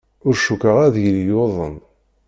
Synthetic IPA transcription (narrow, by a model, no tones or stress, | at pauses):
ʊɾʃukəʁæðʝəljoðˤə̰n